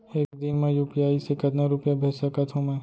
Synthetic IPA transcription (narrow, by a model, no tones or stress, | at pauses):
eːkd̪ɪnmẽjuːpijaːisekɐd̪naɾʊpjabʱeːsakat̪ʰomẽː